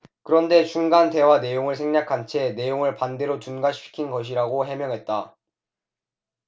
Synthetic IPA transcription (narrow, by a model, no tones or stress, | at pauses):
kɯɾʌnde̞t͡ɕuŋɡande̞wane̞joŋɯɭsʰe̞ŋɲakʰant͡ɕʰe̞ne̞joŋɯɭpande̞ɾot͡ɕunɡaɕʰi̥kʰinɡʌɕ̬ʰiɾaɡoɦe̞mjʌŋɦe̞t̚t͈a